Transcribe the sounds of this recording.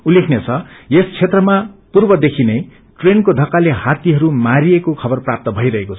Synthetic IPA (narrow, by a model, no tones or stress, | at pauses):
ulːekʰnet͡sʰʌjest͡sʰet̪rʌmapurbʌd̪ekʰinʌj | ʈrenkod̪ʱʌkːaleɦat̪iɦʌɾumaɾiekokʰʌbʌrprap̚t̪ʌbʱʌijɾʌɦekot͡sʰʌ